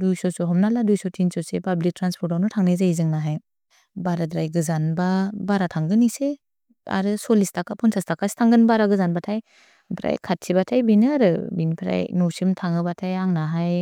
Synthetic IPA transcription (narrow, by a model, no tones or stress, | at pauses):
dujsɔsɔɦɔmnaladujsɔtʰinsɔsepablik̚tɾanspʰɔɾtawnɔtʰaŋnajzajzɯŋnaɦaj | baɾadɾajɡɯzanbabaɾatʰaŋɡɯnise | a̰ɾɯsɔlistʰakapʰɔnsʰastʰakastʰaŋɡɯnbaɾaɡɯzanbatʰaj | pʰɾa̰jkʰat̚sibatʰajbinɯaɾɯbinipʰɾa̰jnɔwsimtʰaŋɯbatʰajaŋnaɦaj